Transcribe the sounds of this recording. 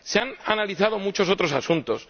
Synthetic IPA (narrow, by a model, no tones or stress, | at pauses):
seananaliθað̞omut͡ʃo̞s̬o̞t̪ɾo̞sasunt̪o̞s